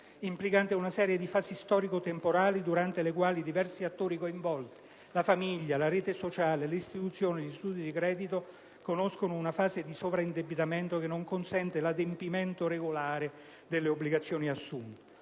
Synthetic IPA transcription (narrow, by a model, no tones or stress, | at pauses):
implikant̪eunasɛːɾjed̪ifaːsist̪ɔːɾikot̪empoɾaːlid̪uɾant̪elekwaːlid̪ivɛrsiat̪ːoːɾikoiɱvɔlt̪i̥ | lafamiʎːalaɾeːt̪esot͡ʃaːlelist̪it̪ut̪sːjoːniʎist̪uːd̪id̪ikɾɛːd̪it̪o | konoskonounafaːzed̪isovɾaind̪ebit̪ament̪okenːoŋkonsɛnt̪elad̪empiment̪oɾeɡolaːɾe | d̪elːeobliɡat̪sːjoːniasːunt̪e